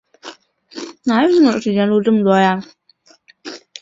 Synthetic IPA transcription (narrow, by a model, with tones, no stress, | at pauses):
na˨˩˥ə˥˩ɔ˨˧˥ʂɻ̩˨˩t͡ɕjɛ˥n˥lu˥˧ʈ͡ʂɤ˥˩mə˩t̪wɔ˥ja˥˧